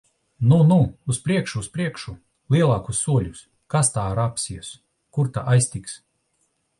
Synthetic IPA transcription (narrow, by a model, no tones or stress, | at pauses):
nunuːspɾiɛkʃuːspɾiɛkʃu | lˠiɛlˠaːkusːuɔlʲus | kast̪aːaɾapsiɛs | kuɾt̪a̰ʔajsʲt̪ʲiks